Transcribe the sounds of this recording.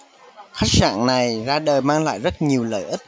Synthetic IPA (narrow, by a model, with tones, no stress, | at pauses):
xa˦˥jk̟̚sa̰ː˧˩˨nna˨˩jzaː˧ɗəː˨˩jmaː˧ŋla̰ː˧˨jzə˦˥t̚ɲi˨˩əwlə̰ː˧˩jʔi˦˥k̚